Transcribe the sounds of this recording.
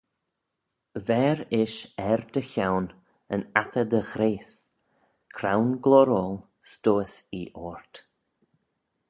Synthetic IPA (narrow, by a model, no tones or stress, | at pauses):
vɛːɾɪʃɛɾd̪əçawn | ənat̪ʰəd̪əxɾeːs | kʰɾawnɡlɔɾɔlˠ | st̪oːəsiʔɔːɹt̪